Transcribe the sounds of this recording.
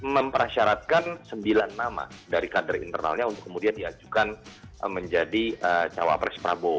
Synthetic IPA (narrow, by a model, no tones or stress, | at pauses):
məmpəɾaʃaɾat̪̚kansəmbilanːama̰daɾikadərḭnt̪ərna̰lɲaunt̪ʊ̥kːəmudiandiad͡ʒukanməɲd͡ʒadiət͡ʃawa̰pɾɛspɾa̰bo